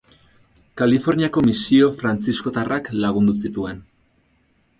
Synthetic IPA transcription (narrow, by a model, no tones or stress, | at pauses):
kalifo̞ɾniako̞misio̞fɾant͡sisko̞t̪arʔaklaɣund̪usit̪ue̞n